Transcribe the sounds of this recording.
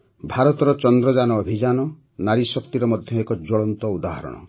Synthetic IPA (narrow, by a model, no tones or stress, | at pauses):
bʱaɾɔt̪ɔɾɔt͡ʃɔnd̪ɾɔd͡ʒanɔːbʱid͡ʒanɔ | naɾisɔkt̪iɾɔmɔd̪ʱjɔekɔd͡ʒɔɭɔnt̪ɔud̪aɦɔɾɔ̰ɽ̃ɔ̰